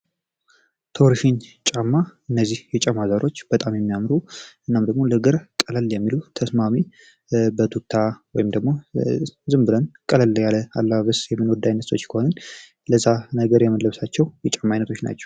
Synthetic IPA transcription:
t̪ʰowɾʃint͡ʃʼamːaʔɨnːəzːihjɛt͡ʃʼamazaɾʔo̞t͡ʃːb̥ət̪ʼamjɛmːijamɾuʔɨnːamd̪əɡmo̞ləɡɨɾkʼələljɛmːilut̪ʰəsmami | bət̪ʰukt̪ʰawɔjɪmd̪əɡmo̞zɨmbɨlənkʼələlːəjaləa̰lːəaβəsjɛmːɨnwɔd̪ːajnːəso̞t͡ʃːkʰəho̞nən | ləzːanəɡəɾjɛmənləβsat͡ʃːɛwjɛt͡ʃʼamːajnət̪ʰo̞t͡ʃːna̰t͡ʃːɛ̥w

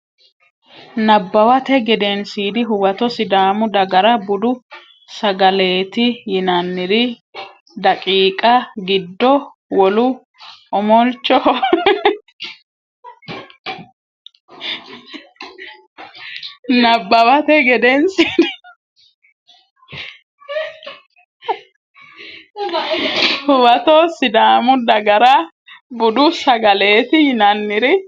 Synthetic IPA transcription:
nɐbːɐwɐt̪ɛɡɛd̪ensiːd̪ɪɦʊwɐt̪ɔsɪd̪aːmʊd̪ɐɡɐɾɐbʊd̪ʊ | sɐɡɐle̞ːt̪ɪjɪnɐnːɪɾɪ | d̪ɐkʼiːkʼɐɡɪd̪ːɔ | wɔlʊ | ɔmɔlt͡ʃːɔ | nɐbːɐwɐt̪ɛɡɛd̪ɛnsin | hʊbɐt̪ɔsɪd̪aːmʊd̪ɐɡɐɾɐ | bʊd̪ʊsɐɡɐle̞ːt̪ɪjɪnɐnːɪɾɪ

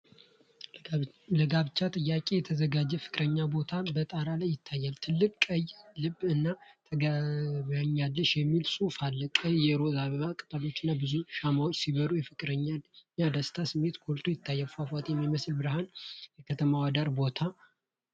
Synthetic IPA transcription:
ləɡaβt͡ʃːat̪ʼɨjːakʼe̞jɛt̪ʰəzəɡad͡ʒːɛfɨ̥kʼɾəɲːabo̞t̪ʰabət̪ʼaɾalajːɪt̪ʰːajːalt̪ʰɨlːɨkʼkʼəjlɨbːɨnːat̪ʰəɡaβaɲːalːəʃjɛmːilsufalːəkʼəjjɛɾo̞zaβakʼɨt̪ʼəlo̞t͡ʃːɨnːabɨzuʃamawot͡ʃːsiβəɾujɛfɨkʼɾəɲːaɲːad̪əst̪ʰasɨmːe̞t̪kʰolt̪ʰujɪt̪ʰːajːafafat̪jɛmːiməslbɨɾɨhanjɛkʰət̪ʰəmawad̪aɾbo̞t̪ʰa

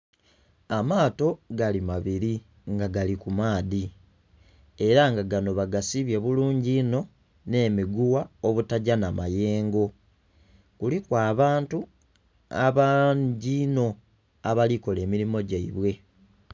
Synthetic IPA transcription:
amaːto̞ɡalimaβiɾi | ŋɡaɡalikumaːði | e̞ɾaŋɡaɡano̞βaɡasiβje̞βuluːɲɟino̞ | ne̞ːmiɡuwaoβutaɟanamaje̞ːŋɡo̞ | kulikwaːβaːntu | a̰βaɟino̞ | aβaliko̞le̞ːmiɾimo̞ɟaiβwe̞

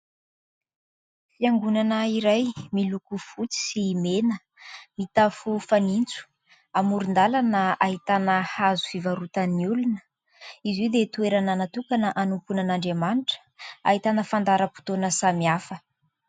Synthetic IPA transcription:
fiaŋɡunanəiɾajmilukufut͡si̥simenə | mit̪afufanint͡su̥ | amuɾund̪alanaaɦit̪anəhazufivaɾut̪aniulunə | iziwd̪et̪ueɾananat̪ukanəʔanumpunanaɳɖ͡ʐemanʈ͡ʂə̥a̰ɦit̪anəfand̪aɾəpu̥t̪onəsamiafə

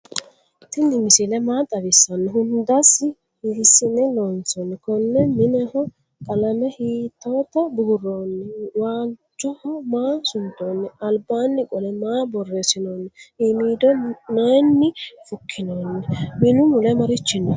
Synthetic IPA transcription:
t̪ɪnːɪmɪsɪlɛmaːt̪ʼɐβɪsːɐnːɛɦʊnd̪ɐsːɪ | hhɪsːɪnːɛloːnt͡sɔnːɛkɔnːɛmɪnɛhɔ | kʼɐlɐmɛhiːt̪ːoːt̪ːɐbʊɡʊrːoːnːɛwaːd͡ʒʊhɔmaːsʊnt̪ːoːnːɛɐlbaːnːɪkʼɔlɛmaːbɔrːesɪnoːnːɛʔɪmiːd̪ɔnɐjnːɪfʊkʰːɪnoːnːɛmɪnʊmʊlɛmɐɾɪt͡ʃːɪnːɐ

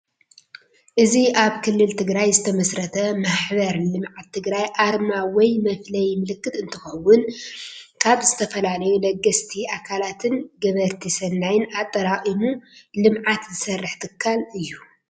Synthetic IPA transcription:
ʔɨziʔaβkʰɨlːɨlt̪ʰɨɡɾajzɨt̪ʰɐmɐsɾɐt̪ʰɐmaħbɐɾlɨmʕat̪ʰːɨɡɾajʔaɾmawɔjmɐflɐjmɨlɨkːɨt̪ɨnt̪ʰɨxɐwːʊn | kʰaβzɨt̪ʰɐfɐlalɐjulɐɡɐst̪ʰiakʰalat̪ʰɨnɡɐβɐɾt̪ʰisɐnːajɪnat̪ʼːɐɾaχʼimulɨmʕat̪zɨsɐrːɨħt̪ʰɨkʰːalɨjːu

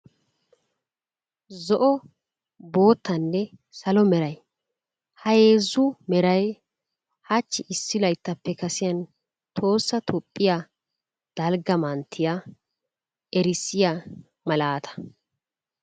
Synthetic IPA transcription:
zɔʔɔ | bo̞ːt̪ːɐnːɛsɐlɔmɛɾɐj | hɐjeːzːʊmɛɾɐj | hɐt͡ʃːɪʔɪsːɪlɐjt̪ːɐpːɛkɐsɪjɐn | t̪ʰo̞ːsːɐt̪ʰɔpʼːɪja | d̪̥ɐlɡɐmɐnt̪ʰːɪja | ɛɾɪsːɪja | mɐlaːt̪ʰɐ̥

